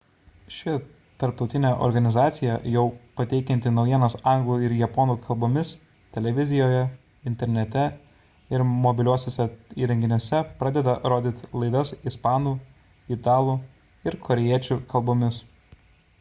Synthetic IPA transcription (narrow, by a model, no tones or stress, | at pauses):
ʃʲɪ | t̪ɐɾpt̪ɔʊt̪ʲɪnʲɛʔɔ̰ɾɡɐnʲɪzɑːt̪sʲɪjɛjɛʊpɐt̪ʲɛɪkʲɛnʲt̪ʲɪnɒʊjiɛnɐsɑˑŋɡlˠuːɪɾjɛpɔːnuːkʰɐlˠboːmʲɪs | t̪ʲɛlʲɛʋʲɪzʲɪjoːjɛ | ɪnʲt̪ʲɛɾʲnʲɛt̪ʲɛ | ɪɾmɔbʲɪlʲuɔsʲesʲɛiːɾʲɛŋʲɡʲɪnʲoːsʲɛpɾɑːd̪ʲɛd̪ɐɾoːd̪ʲɪt̪ʲlˠɐɪd̪ɐsɪspɑːnuː | ɪt̪ɑːlˠuː | ɪɾkʰɔɾʲɛjiɛt͡ʃʲuːkɐlˠbomʲɪs